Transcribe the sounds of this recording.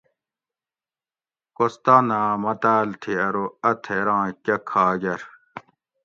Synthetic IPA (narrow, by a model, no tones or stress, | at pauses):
kost̪aːnãːmɐt̪aːlt̪ʰiɐɾoɐt̪ʰeɾãːkɐkʰaːɡɐɾ